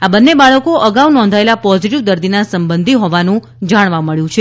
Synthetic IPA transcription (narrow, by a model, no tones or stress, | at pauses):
abənːebaɭəkoʔəɡaunɔ̃nd̪ʱaelapɔziʈiʋd̪əɾd̪inasəmbənd̪ʱiɦɔʋanũ | d͡ʒaɽ̃ʋaməɭjũt͡ʃʰe